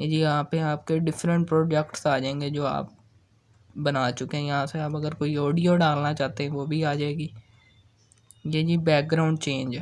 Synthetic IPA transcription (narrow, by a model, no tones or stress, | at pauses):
ed͡ʒiːaːpẽaːp̚keɖɪfʰɾə̃ɳʈ̚pɾoːd͡ʒɛkʈsaːd͡ʒãẽːŋɡeːd͡ʒoːa̰ːp̚ | bənaːt͡ʃʊkeɛ̃ːjəɦãːseaːpəɡəɾkoːiːɔːɖijoːɖaːlnaːt͡ʃaːt̪eɦɛ̃ʋoːbʱiːaːd͡ʒaːeːɡiː | jeːd͡ʒiːbɛːk̚ɡɾaːʊɳɖ̚t͡ʃẽːɲd͡ʒ